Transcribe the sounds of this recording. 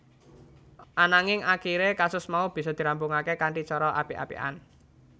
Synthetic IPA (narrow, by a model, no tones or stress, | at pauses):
ʔanaŋɪŋakiɾekasʊsmaub̥i̤sɔd̪̥i̤ɾambʊŋakekaɳʈit͡ʃɔɾɔʔapiʔa̰pḭʔa̰n